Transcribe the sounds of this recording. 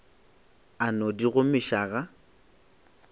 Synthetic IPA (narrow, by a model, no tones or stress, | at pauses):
anɔdiɣʊmɪʃaɣa